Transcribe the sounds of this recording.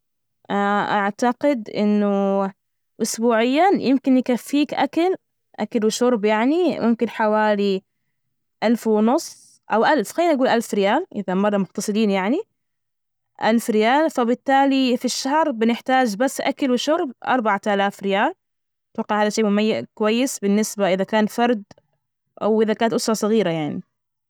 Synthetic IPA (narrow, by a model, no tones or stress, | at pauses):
ʔaʔaʕt̪aqɪd̪ʔɪ̰nːʊ | ʔʊsbuːʕɪjːajɪmkɪnjɪkafːiːkʔa̰kal | ʔa̰kalwɪʃʊɾˤbjaʕnimʊmkɪnħawaːli | ʔalfwɪnʊsˤː | ʔawʔalfxaːnʔaɡuːlʔalfɾɪjaːlʔɪðamɑrˤːɑmʊxt̪ɑsˤɨliːnjaʕni | ʔalfɾɪjaːlfabɪt̪ːaːlifiʃːahɾˤbɪnɪħt̪aːd͡ʒbasːʔa̰kalwɪʃʊɾˤbʔɑ̰ɾˤbaʕat̪ʔalaːfɾɪjaːl | t̪wɑqːɪʕaːðaʃeːmʊmajːaʔkʊwajːɪsbɪnːɪsbaʔɪðakaːnfɑɾˤd̪ | ʔa̰wʔɪðakaːnat̪ʔʊsɾˤɑsˤɨɣiːɾajaʕni